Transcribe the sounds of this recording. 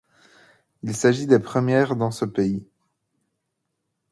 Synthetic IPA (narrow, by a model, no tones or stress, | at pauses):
ilsaʒid̪epχəmjɛːʁd̪ɑ̃səpei